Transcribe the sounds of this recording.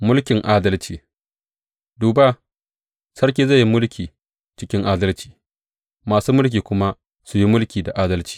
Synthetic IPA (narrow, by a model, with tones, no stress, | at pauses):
mʊ˦lkʲɪ˨ŋʔaː˦dɐ˦lt͡ʃiː˨ | duː˨ba˦ | sɐ˦rk̬ʲeː˨za˦˨ji˦mʊ˦lkʲʰiː˨ | t͡ʃɪ˦kʲɪ˦ŋʔaː˦dɐ˦lt͡ʃi̥ː˨ | maː˨suː˦mʊ˦lk̬ʲiː˨kʷʊ˦ma˦ | su˨ji˦mʊ˦lkʲiː˨da˨ʔaː˦dɐ˦lt͡ʃi̥ː˨